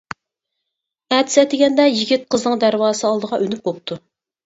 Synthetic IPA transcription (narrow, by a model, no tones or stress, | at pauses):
æt̪ʰɪ̥sɛt̪ɪɡʲɛnd̪ɛjiɡʲit̪̚qʰəznɨŋd̪æɾwɑːsɨɑlˠd̪əʁɑʔønyp̚bop̚t̪ʰu